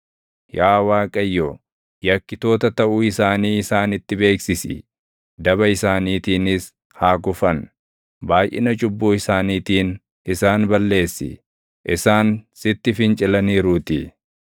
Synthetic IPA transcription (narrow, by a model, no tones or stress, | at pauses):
jaːwaːkʼɐjːɔ | jɐkːɪt̪o̞ːt̪ɐt̪ɐʔuːɪsaːniːɪsaːnɪt̪ːɪbe̞ːksɪsɪ̰ | d̪ɐbɐɪsaːniːt̪iːnɪs | haːɡʊfɐn | baːjʔɪ̰nɐt͡ʃʼʊbːuːɪsaːniːt̪iːn | ʔɪsaːnbɐlːe̞ːsːɪ̰ | ʔɪsaːnsɪt̪ːɪfɪnt͡ʃʼɪlɐniːɾuːt̪ɪ